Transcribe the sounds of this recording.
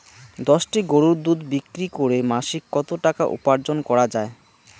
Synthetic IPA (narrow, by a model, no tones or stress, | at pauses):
d̪ɔʃʈiɡoɾuɾd̪ud̪bikɾikoɾemaʃikːɔt̪oʈakaʔṵpaɾd͡ʑonkɔɾad͡ʑae